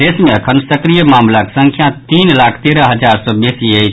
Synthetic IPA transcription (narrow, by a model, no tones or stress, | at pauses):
eːsmẽəkʰənsəkɾijəmaːmlaksə̃ŋkʰjãt̪iːnlaːkʰt̪eɾəɦəd͡ʒaːɾsɔbesiəi